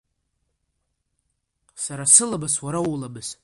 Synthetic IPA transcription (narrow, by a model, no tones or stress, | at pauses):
saɾasɨlabaswaɾawulabɨs